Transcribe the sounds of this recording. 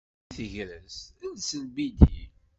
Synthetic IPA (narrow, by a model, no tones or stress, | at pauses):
θəʝɾəsælsəlbid̪ḭ